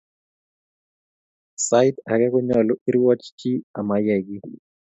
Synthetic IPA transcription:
saitak̬ɛk̬ɔɲalɔʔiɾiwat͡ʃʰt͡ʃiamajɛk̬i

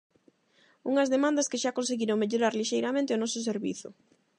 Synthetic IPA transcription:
uŋɐzðemãnd̪ɐskeʃakonseɣiɾoŋmeʎoɾaɾliʃejɾamẽnt̪eonɔsʊs̬eɾβḭθʊ̰

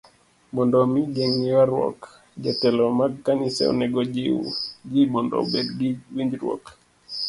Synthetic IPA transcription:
mɔndɔmid͡ʒɛŋiwaɾwɔ̰k | d͡ʒɛtɛlɔmaɡkanisɛ̰ɔ̰nɛɡɔd͡ʒid͡ʒimɔndɔ̰bɛdɡiwiɲd͡ʒɾwɔ̰k

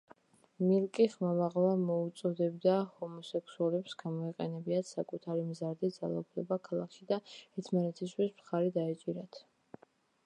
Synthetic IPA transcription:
milˠkʼiχmamaʁlamɔut̪sʼɔd̪ɛbd̪ahɔmɔsɛksuɔlɛpsɡamɔɛqʼɛnɛbiat̪sakʼut̪ʰaɾimzaɾd̪id̪za̰lˠa̰upʰlɛbakʰalˠakʰid̪aɛɾt̪ʰmanɛt̪ʰis̬t̪ʰwismt̪χaɾid̪aɛt͡ʃʼiɾat̪ʰ

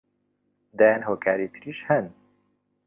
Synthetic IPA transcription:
d̪aːjaːnɦoːkʰaːɾit̪ʰɨɾiːʃhɛn

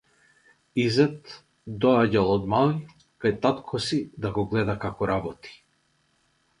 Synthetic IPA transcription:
izɛt̪ | d̪ɔaɟalˠɔd̪malˠi | kajt̪at̪kʰɔsid̪aɡɔɡlɛd̪akakɔɾabɔt̪i̥

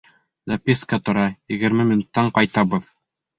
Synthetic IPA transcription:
zapʲiskət̪ŏɾɑjɘ̆ɡɘ̆ɾmɘminut̪ːɑɴqɑjt̪ɑβɤð

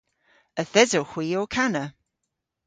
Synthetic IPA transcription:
əθɛzoxw̥iːɔkʰanə

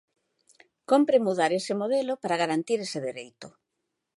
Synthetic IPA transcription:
kompɾemuðaɾesɪmoð̞elopaɾaɣaɾant̪iɾeseðeɾejt̪ʊ

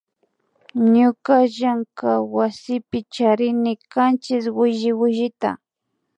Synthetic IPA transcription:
ɲʊkaʒaŋkawasɪpɪt͡ʃaɾɪnɪkant͡ʃɪswɪʒɪwɪʒɪt̪a̰

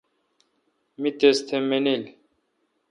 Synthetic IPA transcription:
mit̪est̪ʰemenil

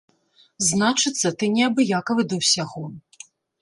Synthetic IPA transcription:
znat͡ʂɨt̪sːɐt̪ɨnʲɛɐbɨjakɐvɨd̪ɐwsʲaɣɔ

